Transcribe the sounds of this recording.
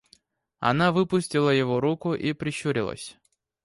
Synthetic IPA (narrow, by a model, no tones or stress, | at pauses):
ɐ̰navɨpʊsʲtʲɪlˠəjɪvoɾukʊʔipɾʲɪɕuɾʲɪ̰lˠə̰sʲ